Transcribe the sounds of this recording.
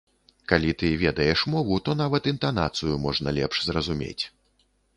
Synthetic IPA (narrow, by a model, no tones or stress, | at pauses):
kalʲit̪ɨvʲɛd̪ɐjɛʂmɔvut̪ɔnavɐt̪int̪an̪a̰t̪sɨjumɔʐnɐlʲɛpʂzrɐzumʲḛt͡sʲ